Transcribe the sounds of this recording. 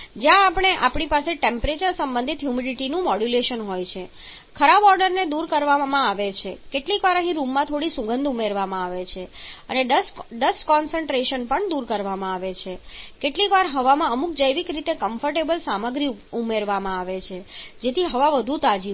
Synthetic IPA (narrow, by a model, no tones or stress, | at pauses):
d͡ʒjãːpɽ̃eʔapɳ̃ipaseʈempɾet͡ʃəɾsəmbə̃nd̪ʱit̪ɦjumiɖiʈinũmɔɖjuleʃənɦojt͡ʃʰe | kʰəɾabɔɾɖəɾned̪uɾkəɾʋamãaʋet͡ʃʰekeʈlikʋaɾəɦĩɾumːãt̪ʰoɽisuɡənd̪ʱumeɾʋamãaʋet͡ʃʰeəneɖəsɖəskɔnsəɳʈɾeʃənpəɳd̪uɾkəɾʋamãaʋet͡ʃʰekeʈlikʋaɾɦəʋamãəmuk̚d͡ʒəjʋikɾit̪ekəmfəɾʈebəlsaməɡɾiumeɾʋamãaʋet͡ʃʰed͡ʒet̪ʰiɦəʋaʋəd̪ʱut̪ad͡ʒi